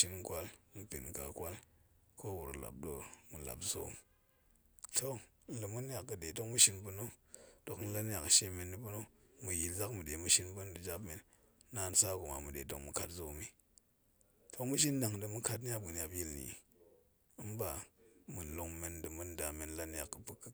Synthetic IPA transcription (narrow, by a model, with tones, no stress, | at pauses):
ʃi˦n˦kʷa˦lm̩˨pḭ˨nka̰˨kʷa˦l | ko˦wṵ˨ɾla̰˨p̚ɗo˨mu˨la̰˨pzo̰˦m | tʰo˦ | n̩˦lɨ˨mu˦n˦a˨kkɨ˨de˨to˦kmu˦ʃi˧nbu˧no˦do˨kn̩˦la˦n˦ja˨kʃe˧˦me˧nːi˦pu˦no˦mu˨ji˨lza˦kmu˨de˨mu˦ʃi˧nbu˦n˦dɨ˨d͡ʒa˦bme˨nː | a˨˦n˦sa˦ku˨ma̰˨mu˨ɗe˨to˦˨kmu˨ka˨tzo˦˨mi˦ | tʰo˧kmu˦ʃ̬i˦nda˨ŋdɨ˧mu˦ka˧t̬n˦a˦p̚ɡu˨n˦ja˨pji˦lnḭ˨ | ɨ˦mba˨mu˨lo˨ŋme˨ndɨ˨mu˦nda˨me˨nla˦n˦ja˨kːɨ˨pɨ˦kː